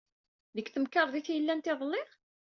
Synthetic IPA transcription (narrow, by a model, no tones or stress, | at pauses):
ðəkːθəmkɑɾˤðiθjəlːænt̪eðˤəlːɪʁ